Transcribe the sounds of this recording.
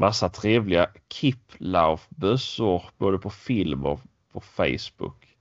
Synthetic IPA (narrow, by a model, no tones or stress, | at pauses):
masːat̪ʰɾeːvlɪakʰɪpʰlafbœsʊɾboːd̪əpʰɔfɪlmɔ̰ | pʰɔfɛ̰jsbɵ̰k